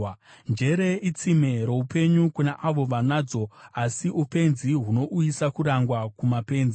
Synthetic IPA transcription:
nd͡ʒe̞ɾe̞it͡sime̞ɾoupe̞ɲukunaʔaʋo̞ʋanaːd͡zo̞asiʔupe̞nziɦuno̞ʔujisakuɾaŋɡwakumape̞ːnzi

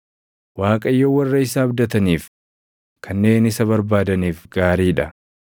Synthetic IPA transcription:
waːkʼɐjːowɐrːɐɪsaːbd̪ɐt̪ɐniːf | kʰɐnːe̞ːnɪsɐβɐɾbaːd̪ɐniːfɡaːɾiːᶑɐ

